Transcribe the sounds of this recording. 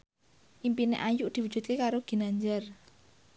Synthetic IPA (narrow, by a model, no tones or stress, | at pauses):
ʔimpinḛʔajʊʔd̪̥i̤wu̥d͡ʒ̥ṳt̪̚kekaɾoɡ̥i̤naɲd͡ʒar